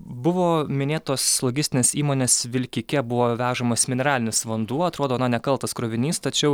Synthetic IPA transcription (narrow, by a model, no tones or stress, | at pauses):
bʊʋoːmʲɪnʲeːt̪oːslˠɔɡʲɪsʲt̪ʲɪneːsiːmoːnʲeːsʋʲɪlʲkʲikʲɛbʊʋoːʋʲæːʒɐmoːsmʲɪnʲɛɾɑːlʲɪnʲʊsʋɐnd̪uɔɐt̪ɾoːd̪oːnɐnʲɛkɐlˠt̪ɐskɾoːʋʲɪnʲiːst̪ɐt͡ʃʲɛʊ